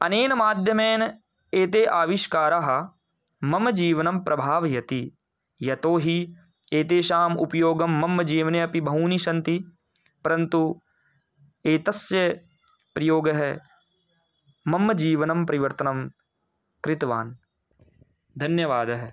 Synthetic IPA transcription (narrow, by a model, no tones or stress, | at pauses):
ɐneːnɐmaːd̪ʱjɐmeːn | eːt̪̬eːʔaːʋiʃkaːɾaɦɐ̆ | mɐmd͡ʒiːʋɐnɐmpɾʔɐbʱaːʋjɐt̪i | jɐt̪oːɦi | eːt̪eːʃaːmṵpɐjoːɡɐmːɐmːɐd͡ʒiːʋneɐpibʱɐɦuːniʃɐ̃nt̪i | pɐɾɐnt̪u | eːt̪ɐsjɐ | pɾɐjoːɡɐɦɛ | mɐmːɐd͡ʒiːʋɐnɐmpɐɾiʋɐɾt̪ɐnɐm | kɾɪt̪ʋa̰ːn | d̪ʱɐnjɐʋaːd̪ɐɦɐ